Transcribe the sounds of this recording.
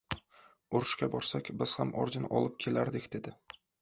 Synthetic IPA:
ʊɾʊʃkʲabɒɾsakʲbɪz̥hamʔɒ̰ɾd͡ʒɪnʔɒ̰lˠɪp̚kʲʰe̞laɾd̪ɪkʲd̪e̞d̪ɪ

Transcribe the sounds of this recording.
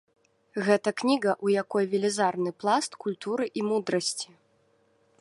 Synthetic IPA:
ɣɛt̪ɐknʲiɣɐʔujakɔjvʲilʲizarnɨplˠast̪kulʲt̪uɾɨʔimud̪ɾɐsʲt͡sʲi̥

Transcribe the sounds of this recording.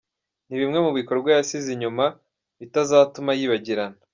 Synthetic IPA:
niβimŋe̞muβiko̞ɾɡwajasiziɲuma | βitazaːtumajiːβaɟiɾana

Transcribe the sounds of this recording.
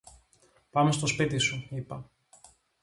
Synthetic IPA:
pɐme̞st̪o̞spit̪isuipɐ

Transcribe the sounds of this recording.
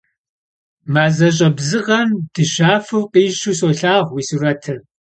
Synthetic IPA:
maːzɐɕ̬ʼɐbzɨʁɐnd̥ɨɕaːfɨwqiːʃuːsoːɬaːʁʷwiːsurɐtʰɨ

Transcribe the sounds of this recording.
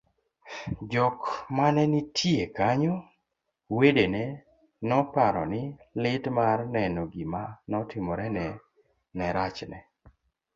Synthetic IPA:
d͡ʒɔkmanɛnitʰjekaɲo | wedenɛ | nɔpaɾɔ̰nɪlɪtmarnɛnoɡimanɔtɪmɔɾɛnɛ | nɛɾat͡ʃnɛ̰

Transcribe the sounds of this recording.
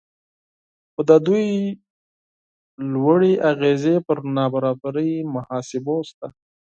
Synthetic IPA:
xod̪əd̪uj | lwəɽeʔaɣezepəɾnɑbaɾɑbaɾəjmahɑsɪbost̪a

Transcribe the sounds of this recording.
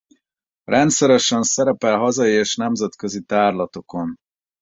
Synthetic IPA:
rɛnt̪sɛɾɛʃɛnsɛɾɛpɛlɦɒzɒjieːʃnɛmzɛt̪kø̞zit̪aːrlɒt̪o̞ko̞n

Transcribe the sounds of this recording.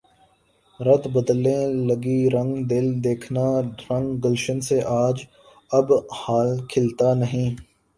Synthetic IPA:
ɾɐt̪ʰbəd̪lẽlɐɡiɾɐ̃ŋɡd̪ɪld̪eːkʰnaɾɐ̃ŋɡɡəlʃənseʔaːd͡ʒ | ɐbhaːlkʰɪlt̪anəɦĩː

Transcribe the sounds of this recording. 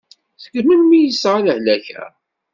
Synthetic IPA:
θəɡmənmijəsːʁaləhlæçæ̰

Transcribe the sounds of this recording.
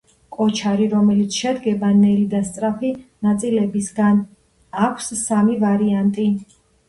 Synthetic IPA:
kʼɔt͡ʃʰaɾiɾɔmɛlit̪sʰʃɛd̪ɡɛbanɛlid̪ast̪sʼɾapʰinat̪sʼilɛbisɡan | akʷʰsːamivaɾiant̪ʼi

